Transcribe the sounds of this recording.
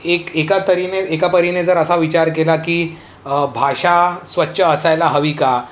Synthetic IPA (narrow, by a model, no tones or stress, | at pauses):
ekekat̪əɾineekapəɾined͡zəɾəsaʋit͡ɕaɾkelakiː | bʱaʂasʋətːɕʰəːsajlaɦəʋika